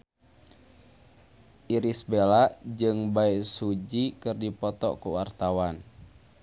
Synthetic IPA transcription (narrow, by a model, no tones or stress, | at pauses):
ʔiɾisbelad͡ʒɨŋbaɛsud͡ʒikɨrdipɔt̪ɔ̰kuwart̪awan